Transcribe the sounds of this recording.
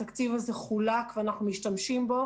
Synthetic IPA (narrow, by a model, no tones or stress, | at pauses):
akt͡sivazeχulakveanaχnumiʃtamʃimbo̞